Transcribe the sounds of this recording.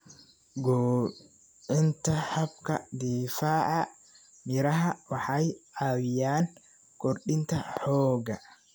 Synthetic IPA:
ɡɔː | ɪnt̪ɐħɐbkɐd̪iːfaːʕɑ | mɪɾɐɦɐwɑħɑjʔaːwɪjaːŋ | kɔrɗɪnt̪ɐħɔːɡɐ

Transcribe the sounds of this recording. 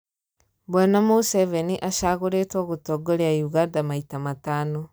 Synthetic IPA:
bwɛnamosɛvɛniʔaʃaɣoɾetwaɣotɔɡoɾeaiuɣandamaitamataːno

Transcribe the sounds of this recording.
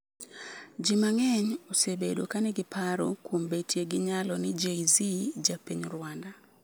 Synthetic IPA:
d͡ʒimaŋɛɲosebedokanɛɡɪpʰaɾo̰kwombetʰjeɡɪɲalɔnɪd͡ʒeizid͡ʒapeɲɾwanda

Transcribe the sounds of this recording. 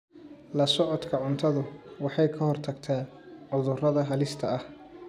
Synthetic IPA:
lɐsɔʕɔd̪kʰɐʕʊnt̪ʰɐðʊwɑħɑjkʰɐhɔrt̪ʰɐɡt̪ʰaː | ʕʊðʊrɐðɐɦɐlɪst̪ʰɐɐh

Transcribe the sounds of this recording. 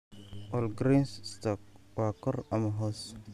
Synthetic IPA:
ʔɔlɡɾinsst̪ɔk̚ | waːkɔrɐmɐɦɔs

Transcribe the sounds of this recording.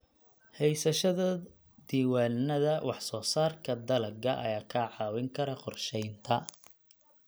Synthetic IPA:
hɛjsɐʃɐðɐ | d̪iːwaːlnɐðɐwʔɑħsɔːsaːrkʰɐd̪ɐlɐɡɐʔɐ̰jaːkʰaʕɑːwɪŋkʰɐɾɐqɔrʃɛjnt̪ʰɐ

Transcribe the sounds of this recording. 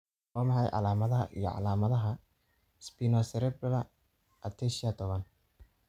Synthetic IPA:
wɔːmɑħɑjʕɑ̰laːmɐðɐɦɐʔḭjɔ̰ʕɑ̰laːmɐðɐɦɐ | spinɔsɛɾɛblɐ | ʔɐt̪ʰɛʃat̪ʰɔβɐn

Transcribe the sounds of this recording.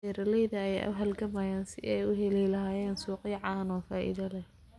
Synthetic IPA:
ɛɾɐlɛjðɐːjɛ̰ʔɐ̰ɦɐlɡɐmɐjaːnsɪ̰ʔɛjʊɦɛlijlɐɦaːjɛːnsuːqɪʕɑːnɔːfaːʔḭðɐlɐ

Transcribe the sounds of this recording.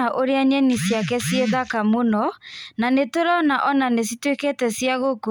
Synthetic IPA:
aʔoɾeaɲɛnisjakɛsjeðakamonɔnanetoɾɔnaʔɔnanes̬itwekɛtɛsjaɣoko

